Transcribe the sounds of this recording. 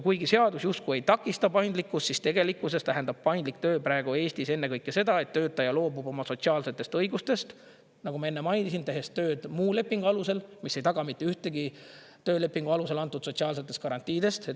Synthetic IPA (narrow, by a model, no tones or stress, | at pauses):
kujɡise̞ɑd̪usjust̪kue̞jt̪ɑkːˑist̪ɑpɑjnd̪likːˑust̪sist̪e̞ɡ̥e̞likːˑuse̞st̪æɦend̪ɑb̥̚pɑjnd̪lik̚t̪ø̞ːpɾæeɡ̥ue̞ːsʲt̪ise̞nːe̞kɤjkːese̞d̪ɑe̞t̪ːøːt̪ːˑɑjɑlo̞ːbub̥o̞mɑso̞t̪siɑːlse̞t̪ːˑe̞st̪ɤ̞jɡust̪e̞st̪ | nɑɡumɑe̞nːemɑjnisint̪e̞ɦe̞st̪ːø̞ːd̪̥muːle̞pːˑiŋɡ̥uɑluse̞lmisːe̞jt̪ɑɡ̥ɑmit̪ˑːeyht̪e̞ɡi | t̪ø̞ːle̞pːˑiŋɡ̥uɑluse̞lɑnt̪ːˑud̪̥so̞t̪siɑːlse̞t̪ːˑe̞st̪̚kɑɾɑnt̪ːˑiːd̪e̞st̪e